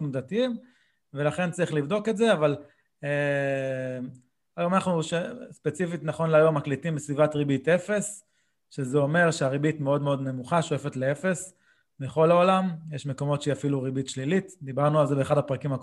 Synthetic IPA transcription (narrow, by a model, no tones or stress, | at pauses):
mdatiim | velaχe̞nt͡saʁiχlivdo̞ke̞tzeaval | e | ajomanaχnuʃespe̞t͡sifitnaχo̞nleajo̞mːaklitimbesvivatʁibite̞fe̞s | ʃezeo̞me̞ʁʃeaʁibit̪meo̞dmeo̞dne̞muχaʃojefe̞tlee̞fe̞s | beχo̞lao̞lamjeʃme̞ko̞mo̞tʃeiafiluʁibitʃlilitd̪ibaʁnualzebeχadapʁakimhak